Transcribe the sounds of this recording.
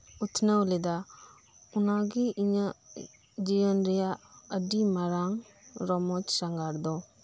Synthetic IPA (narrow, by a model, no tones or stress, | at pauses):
ut̪ʰnəwleda | unaɡiʔiɲa | d͡ʒijənɾijaədimaɾaŋ | ɾɔmɔt͡ʃsaŋɡaɾd̪ɔ